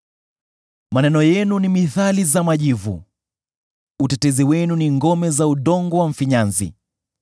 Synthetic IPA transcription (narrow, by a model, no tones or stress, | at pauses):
manɛnɔjɛnunimiθalizamaʄivṵ | utɛtɛziwɛnuniŋɡɔmɛzauɗɔŋɡɔwaɱ̩fiɲanzḭ